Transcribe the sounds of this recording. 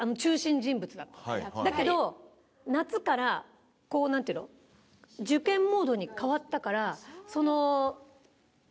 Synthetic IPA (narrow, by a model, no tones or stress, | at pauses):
ano̞t͡ɕɨːɕĩɲd͡ʑĩmbɯ̟t͡sɨd̪at̪ːḁd̪ake̞d̪o̞ | nat͡sɨkaɾa | ko̞ːnãnt̪eiɯno | d͡ʑɨkẽ̞mːo̞ːd̪o̞ɲ̟ikaβat̪ːakaɾaso̞no̞